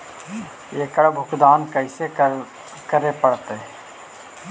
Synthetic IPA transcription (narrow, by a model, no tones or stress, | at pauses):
eːkəɽbʱʊkd̪aːnkəɪse | kəɾepəɽt̪e